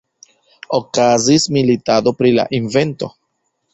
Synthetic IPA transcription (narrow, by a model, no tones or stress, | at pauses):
okazismilitad̪o̞pɾila̰ʔinve̞nto̞̰